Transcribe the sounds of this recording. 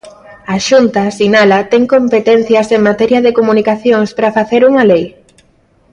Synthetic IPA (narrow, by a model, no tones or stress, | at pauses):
aʃunt̪asinalɐt̪ɛŋkompet̪ɛn̟θjɐseŋmat̪ɛɾjɐðekomunikaθjoŋspɾɐfaθeɾuŋɐlej